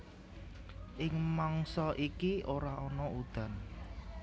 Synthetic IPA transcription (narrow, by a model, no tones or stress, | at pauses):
ʔɪŋmaŋsɔʔikiʔoɾaʔɔnɔud̪̥a̤n